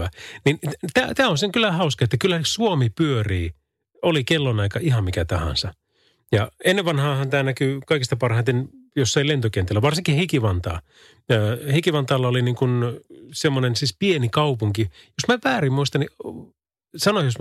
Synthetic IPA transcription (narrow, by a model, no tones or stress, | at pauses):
ænint̪æːt̪æːonseŋkylːæhɑuskɑet̪ːækylːæsuomipyøriː | olikelːonɑikɑihɑmmikæt̪ɑhɑ̰̃nsɑ | jɑenːeʋʋɑnhɑːhɑnt̪æːnækykɑikist̪ɑpɑrhɑint̪enjosːɑilent̪okent̪elːæʋɑrsiŋkihikiʋɑnt̪ɑ̰ː | øːhikiʋɑnt̪ɑːlːɑoliniːŋkunsemːonensispienikɑupuŋkijosmæpæːrimmuist̪ɑni | sɑnoijos